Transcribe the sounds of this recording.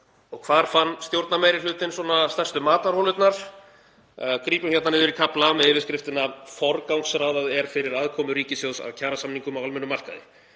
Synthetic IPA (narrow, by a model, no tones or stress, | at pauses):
ɔɣkʰvaːɾ̥fanːst̪jowɾt̪namejɾɪ̥lʏːt̪ɪnswɔnast̪ɛr̥st̪ʏmaːt̪aɾ̥hɔwlʏt̪naɾ̥ | kɾiːpʏm̥çɛt̪nnɪːðʏɾikʰaplamɛðɪːvɪskɾɪft̪ɪnafɔɾkawŋksɾaːwðaðɛɾ̥fɪɾɪɾaðkʰɔːmʏɾiːcɪsjowðsa̰ðcʰaːɾasamniŋkʏmawalmɛnʏmar̥ka̰ðɪ̰